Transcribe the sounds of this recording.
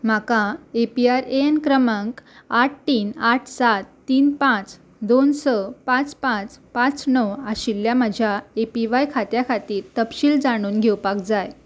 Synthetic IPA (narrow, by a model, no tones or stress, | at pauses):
m̤akãepiaɾeenkɾəməŋkaʈ̚ʰʈiːnaʈʰsat̪ːiːnpãt͡s | d̪onsəpãt͡spãt͡spãt͡snɔwaɕiljaməd͡ʑʱjaepiʋajkʰat̪jakʰat̪iːɾt̪əpɕiːld͡zaɽ̃uːnɡʱewpakd͡zaj